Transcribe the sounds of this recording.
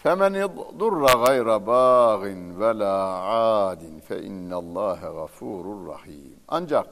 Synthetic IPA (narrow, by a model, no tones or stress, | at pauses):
famand̪ˤʊrˤːaɣajɾabaːɣɪnwalaːʕaːd̪ɪnfa̰ʔɪ̰nːalˤːɑːɦaɣafuːɾrˤːɑ̰ħiːmʔand͡ʒɑɾ